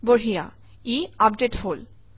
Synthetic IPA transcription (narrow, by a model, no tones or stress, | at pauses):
boɹija̰ | iapɖeʈhol